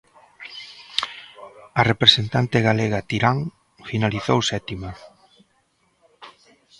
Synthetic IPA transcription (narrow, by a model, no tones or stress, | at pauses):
ɐrepɾesent̪ant̪eɣaleɣat̪iɾaŋ | finaliθowsɛt̪ima